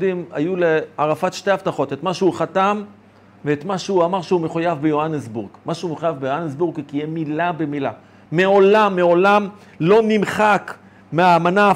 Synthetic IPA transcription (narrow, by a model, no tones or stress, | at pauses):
dimajuleaʁafat̪ʃte̞haft̪aχo̞t̪et̪maʃeuχat̪am | veet̪maʃeuamaʁʃeumeχujavbejoanesbuʁɡmaʃeumeχujavbejoanesbuʁɡkijɛmilabemila | meo̞lamːeo̞lam | lo̞nimχak | meaːmana